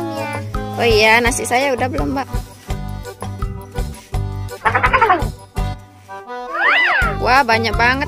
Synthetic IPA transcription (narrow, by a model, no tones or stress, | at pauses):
oijanasisajaudahbəlɔmbaʔ | aaaa | wahbaɲak̚baŋə